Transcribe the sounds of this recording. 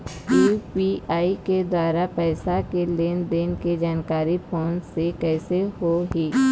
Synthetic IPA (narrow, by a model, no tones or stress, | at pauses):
upiaːiked̪waːɾapɛːsakeleːnd̪eːnked͡ʒaːnkaːɾipʰoːnsekɛːseɦoɦiː